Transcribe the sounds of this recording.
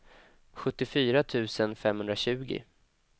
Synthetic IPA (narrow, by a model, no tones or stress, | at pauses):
ɧɵt̪ːɪfyːɾat̪ʰʉ̟ːsənfɛmhɵnd̪ɾaɕʉ̟ːɡɪ̰